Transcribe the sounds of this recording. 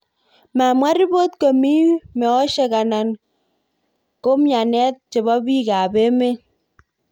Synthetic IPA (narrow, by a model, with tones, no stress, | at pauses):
ma˨mwa˦ɾi˦bo˦tko˨mi˦mɛ˨ɔ˦ʃe˦ka˨na˨n | ko˦mja˨nɛ˦t̚t͡ʃe˨bɔ˦bi˦ka˨be˦me˦